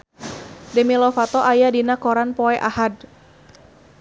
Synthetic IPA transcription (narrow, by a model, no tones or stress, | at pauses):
dɛmilɔfat̪ɔʔajadinakɔɾanpɔɛʔahad